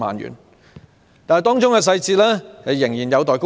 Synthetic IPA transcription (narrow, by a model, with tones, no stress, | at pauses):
ma̰ː˨nɥy̰ː˨˩n | t̪aː˨n˨jt̪ɔː˥ŋt͡ʃʊ˥ŋkɛː˧s̬ɐ˧jt͡siː˧t̚lɛː˥hɐ˨˧jɪ˨˩ŋjiː˨˩njɐ˨˧wt̪ɔː˨jko˥